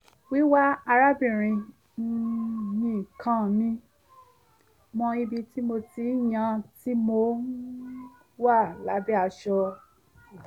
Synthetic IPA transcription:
wi˦wa˦a˧ɾa˦bi˦˨ɾ̃ĩ˧ | n̩˧jĩ˧˨kʰã˦˨nĩ˦ | mɔ̃˧i˦˧bi˧ti˦mo˧ti˧˦˨ɲã˧ti˦mo˧˦ | wa˦˨la˨˦bi˦a˧ʃɔ˧

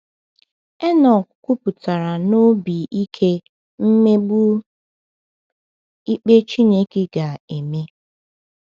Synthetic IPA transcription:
e˦nɔ˨kkʷu˦pʊ˨ta˨ɾa˨no˦bi˨i˦kʰe˦ | m̩˦me˦ɡ͡bu˦ | i˦k͡pe˦t͡ʃi˦ne˦kɪ˦ɡa˨e˨me˦

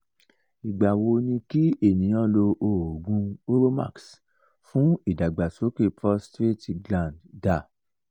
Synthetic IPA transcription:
i˨ɡ͡ba˨wo˧˦nĩ˧ki˦e˦˨nĩ˨˦ɔ̃˦˨lo˧ʔo˦˨o˨ɡũ˧o˦ɾo˦ma̰˦˨ks | fũ˦i˦˨da˨ɡ͡ba˨so˨˦ke˦˨pɔ˦stɾe˦tɡlã˦˨ndda˨

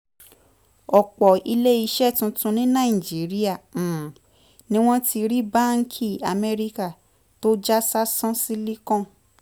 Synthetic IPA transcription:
ɔ˨k͡pɔ˨i˧le˦i˧ʃɛ˦˨tũ˧tũ˧nĩ˦nã˦i˨d͡ʒi˨˦ɾi˦ã˦˨ | nĩ˦w̃ɔ̃˦ti˧ɾi˦ba˦ŋ̩˦kʰi˦˨a˨mɛ˧ɾi˧ka˦˨ | to˦d͡ʒa˦sa˦sã˦si˦li˦kɔ̃˦˨

